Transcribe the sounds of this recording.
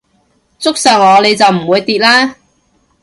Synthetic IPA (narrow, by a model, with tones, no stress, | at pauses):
t͡sʊ˥k̚sœː˨˩wŋɔː˨˧le˨˧jt͡sɐ˨wm̩˨˩wuː˨˧jt̪iː˨t̚laː˥